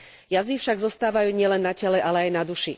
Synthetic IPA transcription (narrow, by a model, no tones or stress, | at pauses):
jazifʃaɡzɔst̪aːʋajuːɲɪɛlɛnːacɛlɛʔalɛajnad̪uʃi